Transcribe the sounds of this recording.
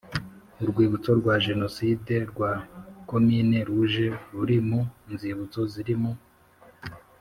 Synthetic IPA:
uɾɡwiːβut͡so̞ɾɡwaʒe̞no̞side̞ɾɡwako̞miːne̞ɾuʒe̞ɾuɾimuinziːβut͡so̞ziɾimu

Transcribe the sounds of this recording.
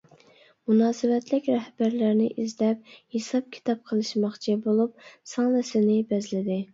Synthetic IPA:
munɑːsɨwɛt̪lɪkʲɾɛhb̥æɾlæɾnɪʔizlɛp̚hesɑp̚kʲʰi̥t̪ʰɑp̚qʰəlˠɨʃmɑχt͡ʃʰibolˠup̚sɑːnɨsɪnɪbɛzlɪd̪ɪ

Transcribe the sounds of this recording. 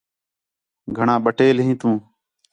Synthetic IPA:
ɡʱəɳãːɓəʈeːlɦĩːt̪ũː

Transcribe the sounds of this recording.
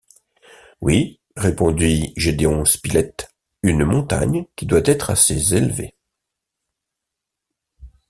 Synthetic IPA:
wi | ʁepɔ̃d̪iʒed̪eɔ̃spilɛt̪ | ynmɔ̃t̪a̰ɲkʲid̪wat̪ɛt̪χasezelvḛ

